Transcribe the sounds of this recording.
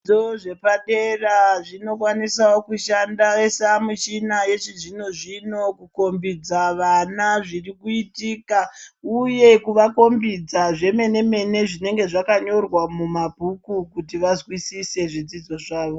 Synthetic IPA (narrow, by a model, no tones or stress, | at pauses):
oʐepaɗeraʐino̞kwanisawo̞kuʃandaesamut͡ʃinaje̞t͡ʃizinoʐino̞kuko̞mbid͡zaʋanaʐirikuitiːkauje̞kuʋako̞mbid͡zaʐe̞me̞ne̞me̞ne̞ʐine̞ŋɡe̞ʐakaɲo̞rwamumabʱukukutiʋazwisise̞ʐid͡zid͡zo̞ʐaːʋo̞